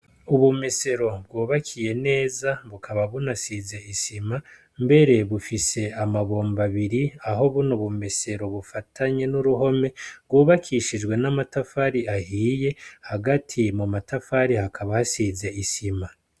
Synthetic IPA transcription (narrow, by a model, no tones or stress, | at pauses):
uβume̞se̞ɾo̞b̚ɡuːβakʰije̞ne̞ːzaβukʰaβaβunasize̞isima | mbe̞ɾe̞βufise̞amaβo̞ːmbaβiɾiaɦo̞βunoβumese̞ɾo̞βufatʰaɲe̞nuɾuɦo̞me̞b̚ɡuːβakʰiʃid͡ʒɡwe̞namatafaɾiahiːje̞haɡatʰimumatafaɾihakʰaβahasize̞isima